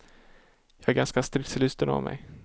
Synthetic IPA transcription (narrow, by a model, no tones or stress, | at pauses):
jɑːæɾɡanskast̪ɾɪkt̪slʏst̪əna̰vmɛ̰j